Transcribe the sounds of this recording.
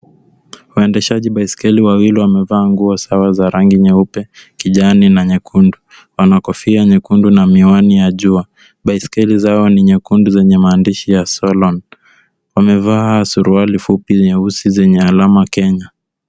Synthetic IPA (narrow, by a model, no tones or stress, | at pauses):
waɛndɛʃaʄiɓaiskɛliwawiliwamɛvaːŋɡuɔsawazaɾaŋɡiɲɛupɛkiʄaninaɲɛkʰundu | wanakɔfiaɲɛkundunamianijaʄua | ɓaiskɛlizaɔniɲɛkunduzɛɲɛmaːndiʃijasɔlɔn | wamɛvasuɾualifupiɲɛusizɛɲɛalamakɛɲa